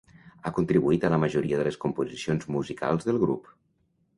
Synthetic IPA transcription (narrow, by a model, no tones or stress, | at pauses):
akunt̪ɾiβuit̪ələməʒuɾiəðələskumpuzisionzmuzika̰lˠzðəlˠɣɾṵp